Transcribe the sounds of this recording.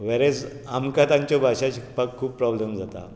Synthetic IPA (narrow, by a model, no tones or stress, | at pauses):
ʋɛɾɛd͡z | amkat̪ãɲt͡ɕjɔbʱaɕaɕikpakkʰːuːppːɾɔblemd͡zat̪a̰